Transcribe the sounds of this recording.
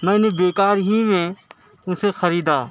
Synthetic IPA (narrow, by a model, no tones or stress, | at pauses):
mɛ̃ːnebeːkaːɾɦimẽ | ʊ̃sexɐɾiːd̪aː